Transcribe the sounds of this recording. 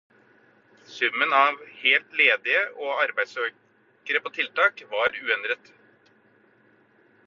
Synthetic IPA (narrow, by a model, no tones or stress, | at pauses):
sʉmːənɑʋheːlt̪leːd̪ɪəʔoːɑɾbæɪsøː | kəɾəpʰoːt̪ʰɪlt̪ɑːkʋɑːɾʉːɛnd̪ɾət̪